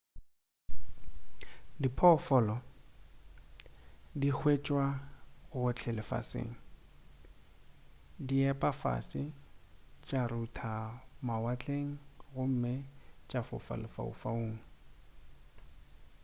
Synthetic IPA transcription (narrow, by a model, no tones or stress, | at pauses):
dipʰɔfɔlɔ | dik͡xʰwet͡ʃʼwaɣʊɣʊt͡ɬʰɛlɪfa̰sḛːŋ̩ | diɛpʼafa̰sɪ | t͡ʃʼarutʰamawat͡ɬʼeŋ̩ɣʊm̩mɪt͡ʃʼafʊ̰fa̰lɪfa̰ṵfaoːŋ̩